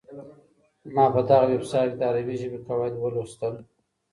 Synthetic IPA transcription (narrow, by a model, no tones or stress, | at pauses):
mɑpəd̪aɣawebsɑjld̪ɑɾawiʒəbekawɑjd̪wəlost̪əl